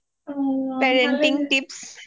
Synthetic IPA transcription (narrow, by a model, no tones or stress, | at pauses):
pɛɾɛ̃ɳʈɪ̃ŋɡʈɪps